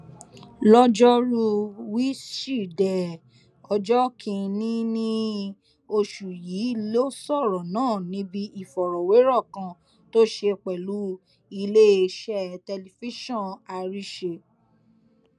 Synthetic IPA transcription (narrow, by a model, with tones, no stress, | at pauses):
lɔ˦d͡ʒɔ˦ɾu˦wi˦ʃi˦˨dɛ˨ | ɔ˧d͡ʒɔ˦kʰĩ˧nĩ˦nĩ˦ | o˧ʃu˨jiː˨˦lo˦sɔ˦˨ɾɔ˨nãː˨˦˨nĩ˦bi˦ʔi˨fɔ˨ɾɔ˨we˨˦ɾɔ˦˨kã˧ | to˦ʃe˧k͡pɛ˨lu˨˦ | i˧le˦˧ʃɛ˦˨tɛ˧li˧fi˦ʃɔ̃˦˨na˧ɾi˦ʃe˧